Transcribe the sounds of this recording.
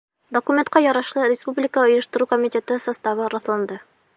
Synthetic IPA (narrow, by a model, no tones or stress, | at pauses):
d̪okumʲent̪̚qɑjɒɾɑʃlˠɤɾʲɪspublʲɪkəŏjɤ̆ʃt̪ɤ̆ɾukomʲɪt̪ʲet̪ɤsɐst̪ɑβɤɾɑθlˠɑnd̪ɤ